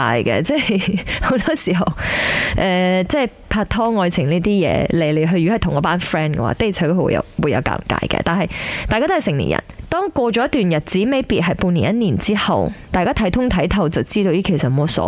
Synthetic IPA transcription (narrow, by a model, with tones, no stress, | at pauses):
aː˧jkɛ̰˧t͡sɛː˥ho˨˥wt̪ɔː˥si˨˩ɦɐ˨wʔɛː˧t͡sɛː˥˩j | pʰaː˧t̪ʰɔː˥ŋɔː˧jt͡sʰɪ˨˩ŋliː˥t̪iː˥jɛ̰ː˧le˨˩jle˨˩jɦɵ˧ɥyː˨ɔ˥ɐ˨˩jtʰʊ˨˩ŋkɔ˨˥paː˥nfɹɛː˥nkɛ̰˧wa̰ː˧˥t̪e˥˩t͡sʰa˨˥t̪o˥hwṵ˧jɐ̰˧wuː˨˧jɐ˨˧wka̰ː˧mka̰ː˧jkɛ̰ː˧t̪aː˨nɦɐ˨jt̪aː˨kaː˥t̪ːɐ˨˩sɪ˨˩ŋnlḭ˨njʔɐ̰˨˩nt̪ɔː˥ŋkwɔː˧t͡ʃɔː˨˥jɐ˥t̪yː˨njɐ˨˩t̚t͡siː˨˥me˨˥jpiː˨t̚ɦɐ˨jpuː˧ni˨˩njɐ˥t̚niː˨˩nt͡siː˥hɐ˨wt̪aː˨jkaː˥t̪ʰɐ˨˥jt̪ʰʊ˥ŋt̪ʰɐ˨˥jt̪ʰɐ˨˧wt͡sɐ˨wt͡siː˥t̪o˧wjiː˥˩kʰe˨˩sɐt̚hmɔ˨˧˥sɔ̰ː˨˧˥